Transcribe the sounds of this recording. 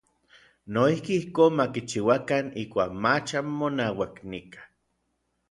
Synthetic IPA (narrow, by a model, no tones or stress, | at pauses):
noihkiihkoːnmakit͡ʃiwakanikʷaːkmat͡ʃamːonaːwaknikḁ